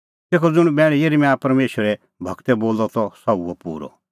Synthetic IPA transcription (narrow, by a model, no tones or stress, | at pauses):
t̪eːkʰɔd͡zʊɽ̃bɛːɽ̃ijeɾimaːpɐɾmeːʃwəɾɛ | bʱɐɡt̪ɛboːlɔt̪ɔsɐuɔpuːɾɔ̰